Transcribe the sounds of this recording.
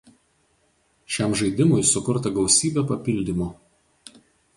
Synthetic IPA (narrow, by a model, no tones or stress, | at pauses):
ʃʲɛˑmʒɐɪd̪ʲɪmʊɪsʊkʊɾt̪ɐɡɐʊsʲiːbʲeːpɐpʲɪlʲd̪ʲimo